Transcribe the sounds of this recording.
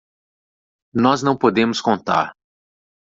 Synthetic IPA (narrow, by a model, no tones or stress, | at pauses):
nɔznɐ̃w̃pod̪ẽmʊskõnt̪a̰ɾ